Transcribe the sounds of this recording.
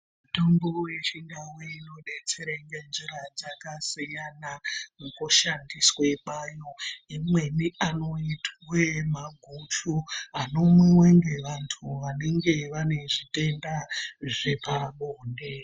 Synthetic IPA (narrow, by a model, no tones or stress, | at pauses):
muto̞mbo̞we̞t͡ʃiŋdaweino̞ɗet͡se̞ɾeŋɡend͡ʒiɾad͡zakasijanamukoʃandisweɓajo̞imwe̞niʔano̞itwemaɡʱut͡ʃuɦano̞mweweŋɡe̞ʋantʰuʋane̞ŋɡe̞ʋane̞ʐite̞ndaʐepaɓoːnde̞